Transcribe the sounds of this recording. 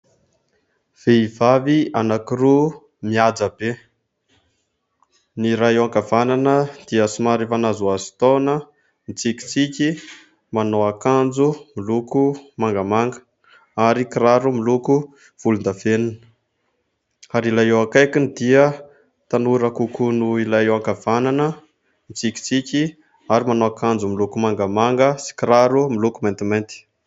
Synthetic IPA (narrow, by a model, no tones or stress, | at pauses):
v̥eivavianakiɾu | miad͡zabe | niɾaewaŋkavananəd̪̥iəsimaɾefanazuazi̥t̪onə | nit͡siki̥t͡sikʲi | manoakand͡zumilukumaŋɡəmaŋɡə̥ | aɾikiɾaɾumiluku | v̥ulund̪aveninə̥ | aɾilajewakajkinid̪iə | t̪anuɾakukunuilajewakav̥ananə | mit͡sikʲi̥t͡sikʲi | aɾimanoakand͡zumilukumaŋɡəmaŋɡəsi̥kiɾaɾumilukument̪iment̪i̥